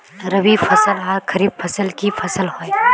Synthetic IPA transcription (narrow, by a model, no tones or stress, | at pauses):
ɾəbifʰɐsəlɦakʰəɾiːb̚fʰɐsəlkifʰɐsəlɦoj